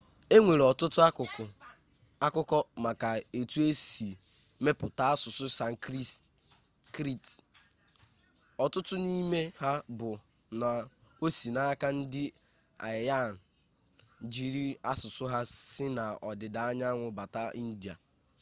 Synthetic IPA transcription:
e˦ŋʷe˨ɾɔ˨tʊ˦tʊ˦kʊ˨ʊ˨ | a˦kʊ˦kɔ˦ma˨ka˨e˨tu˦e˦si˨ | me˦pʊ˨ta˦a˦sʊ˨sʊ˦sa˨ŋ˦ | kɾi˦t | ɔ˨tʊ˦tʊ˦ni˦me˦ha˦bʊ˨ | na˨ | o˦si˨na˦ka˦n̩˦dɪ˦ | a̰˨ja˦˨n̩˨ | d͡ʒi˨ɾi˦a˦sʊ˨sʊ˦ɦa˦sɪ˦na˨ɔ˨dɪ˨da˨a˦ɲa˦ŋʷʊ˨ba˨ta˦i˦n̩˦di˨a̰˨

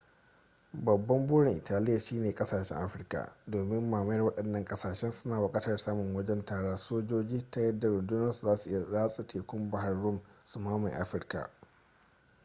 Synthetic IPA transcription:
bɐ˨bːɐ˦mbuː˦ɽɪ˨ŋʔɪ˨taː˨lɪ˦ja˨ʃiː˦neː˨kʼɐ˦saː˨ʃɛ̰˦ŋʔa̰˦ɸɪ˦rka̰˨doː˨mɪ˦mːaː˨mɐ˦jɐ˦˨wɐ˦ɗɐ˨nːɐ˨ŋkʼɐ˦saː˨ʃɛ˦nsʊ˦naː˨wʊ˨kʼaː˦tɐ˨rsaː˦mʊ˨ŋwɐ˦d͡ʒɛ˦ntaː˨ɽaː˦soː˦d͡ʒoː˦d͡ʒiː˦ta˦jɐ˦da˨ɾʊ˨ndʊ˦nɐ˦su˨zaː˦su˨ʔɪ˦ja˨zaː˦sʼi˨tʰeː˨kʷʊ˦mba˦ɦa˨rːʊ˦msʊ˨maː˦ma˨jʔa̰˦ɸɪ˦rka̰˨ʔ

